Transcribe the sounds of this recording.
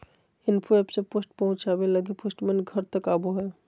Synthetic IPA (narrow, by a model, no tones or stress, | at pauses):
ɪnpʰoeːpsepoːsʈpɐɦʊ̃t͡ʃaːbeləɡipoːsʈmenɡʱɐɾt̪əkaːboɦɛː